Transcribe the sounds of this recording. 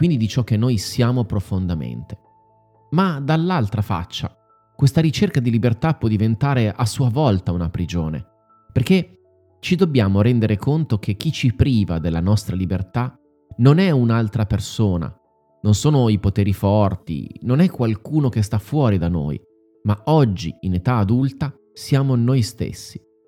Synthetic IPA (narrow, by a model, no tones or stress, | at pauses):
kwind̪id̪it͡ʃɔk̟ːenːojsjaːmopɾofond̪amḛnt̪e̥ | mad̪alːalt̪ɾafa̰t͡ʃːa̰ | kwest̪aɾit͡ʃerkad̪ilibert̪apwɔd̪ivent̪aːɾeʔasːuːavɔlt̪aunapɾid͡ʒoːnḛ | perk̟e | t͡ʃid̪obːjaːmoɾɛnd̪eɾekont̪ok̟ʰek̟ːit͡ʃipɾiːvad̪elːanɔst̪ɾalibert̪a | nonɛunalt̪ɾapersoːna̰ | nonsoːnoipot̪eːɾifɔrt̪ḭnonɛkːwalkuːnok̟est̪afːwɔːɾid̪ano̰ːj | maɔd͡ʒːḭinet̪aːd̪ult̪a | sjaːmonojst̪ḛsːi̥